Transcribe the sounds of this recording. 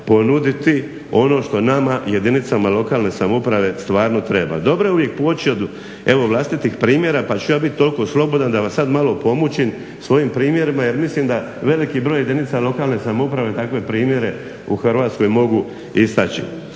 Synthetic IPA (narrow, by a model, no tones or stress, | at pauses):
po̞nud̪it̪i | o̞no̞ːʃt̪o̞namaje̞d̪init̪samalo̞kaːlˠne̞samoupɾaʋe̞st̪ʋaːɾno̞t̪ɾe̞ba̰d̪o̞bɾoeuʋje̞k̚poot͡ɕiod̪ | e̞ʋo̞ʋlˠast̪it̪ixpɾiːmje̞ɾapat͡ɕujaːbit̪̚t̪o̞lko̞slˠo̞bo̞d̪and̪aʋasad̪malo̞po̞mut͡ɕim | sʋo̞jimpɾiːmje̞ɾimaje̞ɾmislimd̪a | ʋe̞likibɾo̞ːje̞d̪init̪salˠo̞kaːlne̞samoupɾaʋe̞t̪akʋe̞pɾiːmje̞ɾe̞ | uxrʋaːt̪sko̞jmo̞ɡu | ist̪at͡ɕḭ